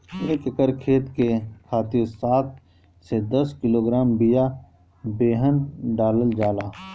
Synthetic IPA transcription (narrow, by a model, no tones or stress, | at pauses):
eːkɪkəɾkʰeːt̪kekʰaːt̪ɪɾsaːt̪̚ | sed̪ɐskɪloːɡɾaːmbija | beːɦənɖaːləld͡ʒaːlaː